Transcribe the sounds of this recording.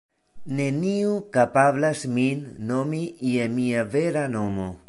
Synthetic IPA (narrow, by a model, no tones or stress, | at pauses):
ne̞niukapablasminːomijemiave̞ɾanomo̰